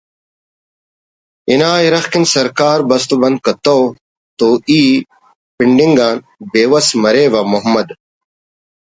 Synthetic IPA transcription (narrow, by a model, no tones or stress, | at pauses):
inaːiɾɐxkinsɐɾkaːɾbɐst̪ubɐnd̪̚kɐt̪ow | t̪oːiː | piɳɖiŋɡaːn | beːwɐsmɐɾeːʋɐmoɦmɐd̪